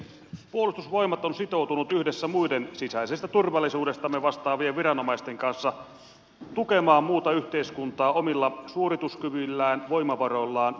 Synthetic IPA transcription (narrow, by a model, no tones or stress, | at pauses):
puolust̪usʋo̞imɑt̪onsit̪o̞uwt̪unut̪yhdesːæmuidensisæisest̪æt̪urʋɑlːˑisuːde̞st̪ɑmːeʋɑst̪ɑːʋieʋʋiɾɑnomɑist̪eŋkɑnsːɑ | t̪ukemɑːmmuːt̪ɑyht̪eiskunt̪ɑːomilːɑsuorit̪uskyʋylːæːnʋo̞imɑʋɑrolːɑːn